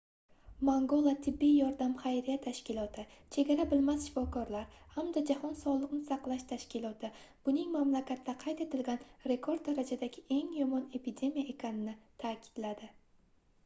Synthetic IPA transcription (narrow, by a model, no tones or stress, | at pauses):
maŋɡolˠat̪ʰɪbːijjɒɾd̪amχajɾijat̪ʰaʃkʲɪlˠɒt̪ʰɪt͡ʃʰe̞ɡʲaɾabɪlmasʃɪfɒkʰɒɾlaɾhamd̪ad͡ʒahɒnsɒlˠɨqnɪsɑqlˠaʃt̪ʰaʃkʲɪlˠɒt̪ʰɪb̥ʊnɪŋmamlakʲʰat̪ːaqʰɑjt̪e̞t̪ʰɪlɡʲanɾe̞kʰo̞ɾd̪̚ːaɾad͡ʒad̪aɡʲɪʔe̞ŋjɒmɒne̞pʰid̪e̞mijaʔe̞kʲʰanɪnɪt̪ʰaːkʲʰɪ̥d̪̥lad̪ɪ